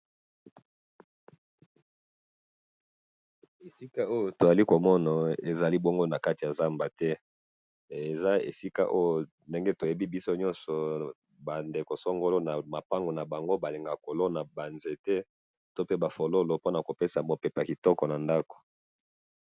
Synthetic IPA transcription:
e˨si˦ka˦o˦jo˨to˨za˨li˦ko˨mɔ˦na˨e˨za˨li˦bo˦ŋɡo˦na˨ka˦ti˨ja˨za˦mba˨tɛ˦ | e˨za˦ḛ˨si˦ka̰˦ʔo˦jo˨ | nde˦ŋɡe˦to˨je˨bi˦bi˦so˦ɲɔ˦nsɔ˨ | ba˨nde˨ko˨sɔ˦ŋɡo˦lo˦na˨ma˨pa˦ŋɡo˨na˨ba˨ŋɡo˦ba˨le˨ŋɡa˨ko˨lo˦na˨ba˨nze˨tɛ˦ | to˦pe˦ba˨fo˨lo˦lo˨po˦na˨ko˨pe˦sa˨mo˨pe˨pa˨ki˨tɔ˦kɔ˨na˨nda˦ko̥˨

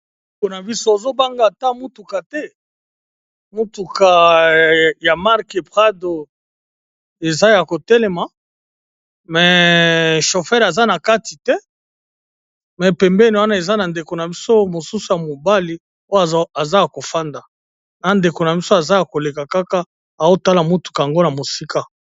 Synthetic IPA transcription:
ko˨na˨bi˦so˦o˨zo˦ba˦ŋɡa˨ta˦mu˦tu˨ka˨tɛ˦ | mu˦tu˨ka˨ | ja˨ma˦ʁke˨bʁa˦do˨ | e˨za˦ja˨ko˨tɛ˦lɛe˨ma˨ | mɛ˨ | ʃo˨fɛ˦ʁa˨za˦na˨ka˦ti˨tɛ˦ | mɛ˨pɛ˨mbɛ˦ni˨wa˦na˦e˨za˦na˨nde˨ko˨na˨bi˦so˦mo˨su˦su˨ja˨mo˨ba˦li˨ | o˦ja˨za˦ja˨ko˨fa˦nda˨ | na˨nde˨ko˨na˨bi˦so˦a˨za˦ja˨ko˨le˨ka˨ka˦ka˦ | a˨wo˦˨ta˦la˨mo˦tu̥˨ka˨ja˨ŋɡo˦na˨mo˨si˦ka˨

